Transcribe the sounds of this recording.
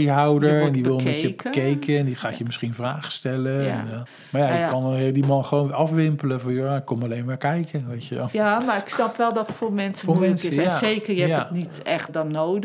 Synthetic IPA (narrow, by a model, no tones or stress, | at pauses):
iɦawdəɹɛndiʋɪlˠmɛəkejkəɛndiχaːjəmɪsχinvraːχə̥stɛləɛn | maːɹjajəkɑnɔlˠɦɪdimɑnχəʋownɑfʋɪmpələvɔnjoaɪkːɔmɑlejnmaːɹkɛjkəʋejtəʋɛ̰lˠamaɪksnɑpʋɛlˠdɔtfomɛnsfomɛnsəazejkəɹjəɛjanitɛχt̚dɔnnowd